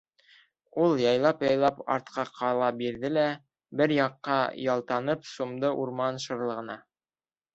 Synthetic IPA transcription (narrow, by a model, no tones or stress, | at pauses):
ulˠjɑjlˠɑpjɑjlˠɑpɑ̰ɾt̪qɑqʰɑlˠɑbiɾðɘlæ | bɘɾjɑqːɑjɑlˠt̪ɑnɤpsumd̪ɤʔuɾmɑnʃɤ̆ɾlˠɤ̆ʁɤ̆nɑ